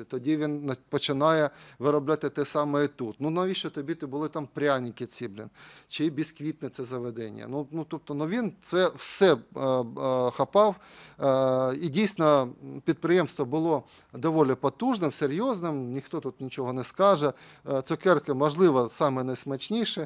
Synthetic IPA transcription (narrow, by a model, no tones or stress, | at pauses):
ɪt̪ɔdʲiʋʲinnɐpɔt͡ʃɪnajɛʋɪɾɐblʲat̪ɪt̪ɛsɑmɛjt̪ut̪nunɐʋʲiʃɔt̪ɔbʲit̪ɪbʊlˠɪt̪ampɾʲanʲɪkʲɪt͡sʲiblʲɪ̰nt͡ʃiibʲiskʋʲit̪nɛt̪sɛzɐʋɛd̪ɛnʲɪ̰jɐ̰nunut̪ɔp̚t̪ɔnʊʋʲint̪sɛwsɛ | xɐpɑw | idʲijsʲt̪ʲɪnɐpʲit̪̚pɾɪjemst̪ʋɐbʊlˠo | d̪ɐʋolʲɪpɐt̪uʐnɪmseɾʲjoznɪmnʲɪxt̪ot̪ut̪nʲɪt͡ʃɔɦɔnɛskɑʐɛ | t̪sɔkɛrkɪmɐʐlˠɪʋɐsɑmɛnɐjsmɐt͡ʃnʲiʂɛ